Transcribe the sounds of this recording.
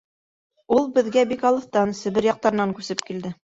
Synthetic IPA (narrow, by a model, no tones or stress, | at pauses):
ulˠbɘ̆ðɡæbikɑlˠɤ̆θt̪ɑnsɘ̆βɘɾjɑq̚t̪ɑɾɤ̆nɑŋkʉsɘp̚kild̪ɘ